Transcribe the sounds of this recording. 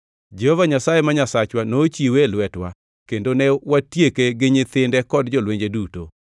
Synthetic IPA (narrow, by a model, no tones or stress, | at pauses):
d͡ʒɛhɔvaɲasajemaɲasat͡ʃwanoːt͡ʃiwelwɛtwa̰ | kendonɛwatjekeɡɪɲɪt̪ɪndɛkɔdd͡ʒɔlweɲd͡ʒeduto̰